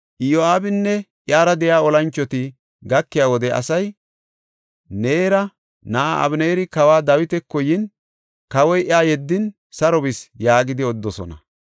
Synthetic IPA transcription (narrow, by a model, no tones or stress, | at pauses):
ʔɪjoaːbɪnːɛʔjaːɾɐd̪ɛjaːɔlɐnt͡ʃːɔt̪ɪ | ɡɐkːɪjaːwɔd̪ɛʔɐ̰sɐj | neːɾɐ | naʔɐ̰bneːɾɪkɐwaːd̪ɐwɪt̪ɛkːɔjɪn | kɐwɔjʔɪaːjɛd̪ːɪn | sɐɾɔbɪsjaːɡɪd̪ɪɔd̪ːɔsɔ̰nɐ